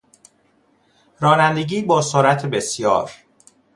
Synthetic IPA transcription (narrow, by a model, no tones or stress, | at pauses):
ɾɒːnænd̪e̞ɟiːbɒːsoːɾæt̪ʰebe̞sjɒ̰ːɾ